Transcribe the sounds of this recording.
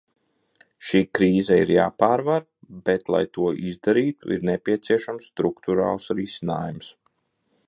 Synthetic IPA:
ʃiːkɾiːzaiɾjaːpaːɾvaɾ | bɛt̪lˠa̰jt̪uɔʔizd̪aɾiːt̪ṵʔḭɾnɛpʲiɛt̪siɛʃamsːt̪ɾukt̪uɾa̰ːlˠsɾisina̰ːjums

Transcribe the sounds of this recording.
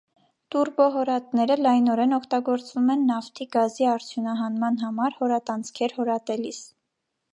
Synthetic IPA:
t̪uɾbɔɦɔɾɑt̪nɛɾəlɑjnɔɾɛnɔkʰt̪ɑɡɔɾt͡svumɛnːɑft̪ʰiɡɑziɑɾt͡sʰjunɑɦɑnmɑnɦɑmɑɾhɔɾɑt̪ɑnt͡sʰkʰɛɾhɔɾɑt̪ɛlis

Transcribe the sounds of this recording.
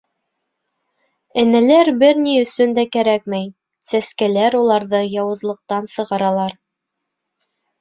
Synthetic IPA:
æ̆nælæɾbɘɾniɵ̆sɵnd̪ækæɾækmæj | sæskælæɾulˠɑɾðɤjɑwɤ̆zlˠɤ̆q̚t̪ɑnsɤ̆ʁɑɾɑlˠɑɾ

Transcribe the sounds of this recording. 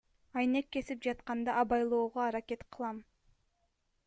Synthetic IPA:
ɑjne̞kːe̞sipd͡ʒɑt̪qɑnd̪ɑʔɑbɑjlˠo̞ːʁoɑɾake̞t̪qʰɯ̥lˠɑm

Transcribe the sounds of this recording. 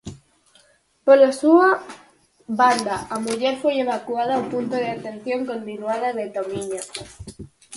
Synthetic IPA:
polosua | βand̪aʔamuʝeɾfweeβakwaðaumpunt̪oð̞eat̪e̞n̟θjo̞ŋko̞nt̪inwaðaðe̞t̪omiɲa

